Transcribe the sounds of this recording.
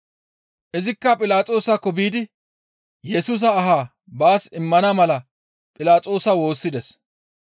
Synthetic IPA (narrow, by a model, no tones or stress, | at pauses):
ʔɪzɪkːɐpʼɪlaːt͡sʼo̞ːsakːɔbiːd̪ɪ | jɛsuːs̬ɐːɦaː | baːsɪmːɐnɐmɐlɐ | pʼɪlaːt͡sʼo̞ːsɐwo̞ːsːɪd̪ɛs